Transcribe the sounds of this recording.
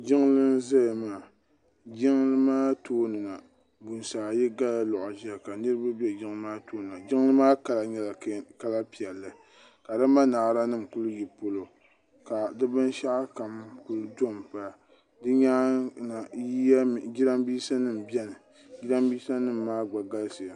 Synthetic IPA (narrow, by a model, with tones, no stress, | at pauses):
d͡ʒɪ˦ŋ˦lɨ˦n˦za˦ja˨maː˨ | d͡ʒɪ˦ŋ˦lɨ˦maː˦toː˦nɨ˨na˨ | bu˨n˨saː˨ji˦ɡa˦la˦lɔ˨ʔʊ˨ʒka˨nɨ˦ɾɨ˦ba˦bɛ˦d͡ʒɪ˦ŋ˦lɨ˦maː˦toː˦nɨ˨na˨d͡ʒɪ˦ŋ˦lɨ˦maː˦ka˨la˨ɲɛ˦la˨ka˦la˦pi˨ɛ˨lːɨ˨ | ka˨dɨ˦ma˦na˨ʔɾa˦nɨ˦˨m̩˨kʊ˦lji˨po˦lo˨ | ka˨dɨ˦bɨ˦n˦ʃa˦ʔa˦ka˨mkʊ˦ldo˦mpa˦˨ | dɨ˦ɲa˦na˨ji˦a˦˨ɡi˦ɾa˦mbiː˦sa˦nɨ˦˨m̩˨bɛ˦nɨ˨ | ɡi˦ɾa˦mbiː˦sa˦nɨ˦mːaː˦ɡ͡ba˨ɡa˦lsɨ˨a˨